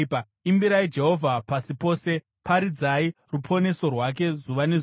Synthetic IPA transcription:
imbiɾaid͡ʒe̞ɦo̞vʱapasipo̞ːse̞ | paɾid͡zai | rupʰo̞ne̞so̞rwak̬e̞zuʋane̞z

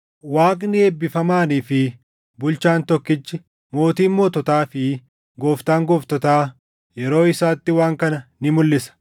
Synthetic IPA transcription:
waːkʼnɪeːbːɪfɐmaːniːfɪ | bʊlt͡ʃaːnt̪ɔkːɪt͡ʃːɪ | mo̞ːt̪iːmmoːt̪ɔt̪aːfɪ | ɡo̞ːft̪aːŋɡoːft̪ɔt̪aː | jɛɾo̞ːɪsaːt̪ːɪwaːŋkɐnɐnɪmʊlːɪsɐ̥

